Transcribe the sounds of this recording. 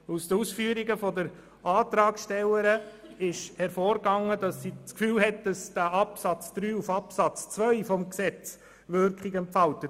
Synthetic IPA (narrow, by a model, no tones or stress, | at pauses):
usd̪əusfyəɾiɡəfɔdəɾ | ɑːt̪ɾɑːkʃtɛləɾəɪʃhɛɾfɔːɾɡɑŋːədɑsːit͡skfyːlɦɛt̚d̥ɑsd̥æʔɑpsɑt͡sd̪̥ɾyːufɑpsɑt͡st͡sʋœʏfɔmksɛt͡s | ʋøɾkχɪɡɛmpfɑltə